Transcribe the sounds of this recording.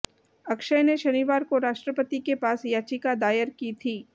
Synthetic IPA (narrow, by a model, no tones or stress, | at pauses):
ɐkʃəjneʃɐniːʋaːɾkoɾaːʃʈɾəpət̪ikepaːsjaːt͡ʃikad̪aːjəɾkiːt̪ʰiː